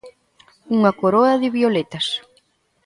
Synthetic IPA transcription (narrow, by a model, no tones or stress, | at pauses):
uŋɐkoɾoɐðɪβiolet̪ɐs